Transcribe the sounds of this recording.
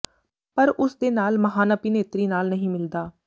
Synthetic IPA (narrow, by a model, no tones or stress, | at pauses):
pəɾʊsd̪eːnaːlməɦaːnəpiːneːt̪ɾiːnaːlnəɦĩːmɪld̪aː